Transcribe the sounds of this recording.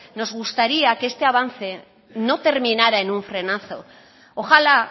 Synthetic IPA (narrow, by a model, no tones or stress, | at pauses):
no̞zɣ̞ust̪aɾiakeest̪e̞aβ̞anθe̞ | no̞t̪e̞ɾminaɾae̞nuɱfɾe̞naθo̞ | oxala